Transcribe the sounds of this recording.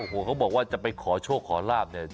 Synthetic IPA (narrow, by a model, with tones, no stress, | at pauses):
o˨˧˩ɦoː˨˩˦kʰa˦˥wbɔː˨˩k̚waː˥˩t͡ɕa˨˩pa˧jkʰɔː˩˦t͡ɕʰoː˥˩kʰːɔː˩˦laː˥˩p̚na˥˩ɐ